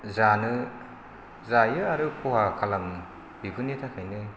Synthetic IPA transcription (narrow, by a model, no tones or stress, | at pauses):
zanɯ | zajɯaɾɯkʰuhakʰalam | biɡɯnitʰakʰajnɯ